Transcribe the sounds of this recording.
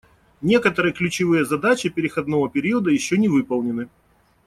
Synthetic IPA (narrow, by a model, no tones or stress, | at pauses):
nʲe̞kət̪əɾɨjəklʲʉt͡ɕɪvɨjəzɐd̪at͡ɕɪpʲɪɾʲɪxɐd̪no̞vəpʲɪɾʲiəd̪əjɪɕːɵnʲɪvɨpəlˠnʲɪnɨ